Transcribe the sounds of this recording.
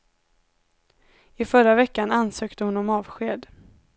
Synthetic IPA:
ɪfœɾːavɛkːanansøːkt̪əhʊnɔmɑːvɧeːd̪

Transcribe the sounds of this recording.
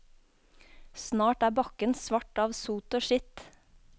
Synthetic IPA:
snɑːʈæːbɑkənsʋɑʈɑːʋsuːt̪oːʃɪt̪

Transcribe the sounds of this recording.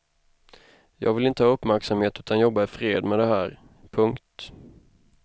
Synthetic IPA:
jɑ̰ːɡvɪlɪnt̪əhɑːɵpːmæɾksamheːt̪ʉ̟ːt̪anjɔbːaɪfɾeːd̪mɛd̪ɛɦæːɾ | pʰɵŋkt̪

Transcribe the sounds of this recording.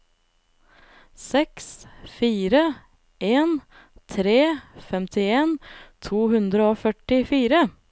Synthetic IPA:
sɛksfiːɾə | ʔeːn | t̪ʰɾeːfɛmt̪ʰɪeːnt̪ʰuːhʉnd̪ɾəoːfœʈɪfiːɾə

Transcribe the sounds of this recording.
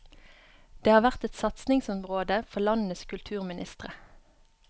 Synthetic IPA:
d̪̥eːhɑːʋæʁt̪ɛt̪sɑt̪snɪŋsɔmʁoːd̪əfɔlɑnəskʰʉlt̪ʰʉːʁmɪnʔɪ̰st̪ʁə

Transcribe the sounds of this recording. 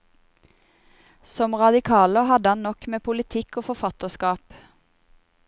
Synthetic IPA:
sɔmʁɑd̪ɪkʰɑːləɦɑd̪əhɑnnɔkmeːpʰʊlɪt̪ʰɪkoːfɔfɑt̪əskɑːp

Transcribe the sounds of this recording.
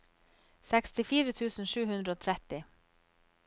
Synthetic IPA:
sɛkst̪ɪfiːɾət̪ʰʉːsn̩ʂʉːɦʉnd̪ɾəoːt̪ʰɾɛt̪ɪ

